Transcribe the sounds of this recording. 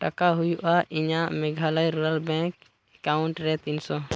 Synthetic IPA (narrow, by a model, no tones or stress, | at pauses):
ʈakaɦujuʔaʔiɲaʔmɛɡʱalajɾuɾalbɛ̃ŋk | ɛkauɳʈɾɛt̪insɔ